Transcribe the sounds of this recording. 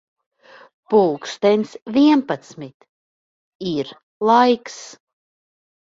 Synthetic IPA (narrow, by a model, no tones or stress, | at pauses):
pulˠkst̪ɛnʲsvʲiɛmpat̪smit̪ | iɾ | lˠajks